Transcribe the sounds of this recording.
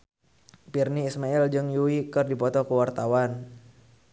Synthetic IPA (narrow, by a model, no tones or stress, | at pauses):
pirniːsmaɛld͡ʒɨŋjuwikɨrdipɔt̪ɔkəwart̪awan